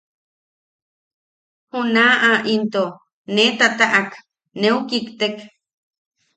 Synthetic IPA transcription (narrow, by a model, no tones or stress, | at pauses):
hunaːʔaʔint̪o | net̪at̪aʔak | neukikt̪ek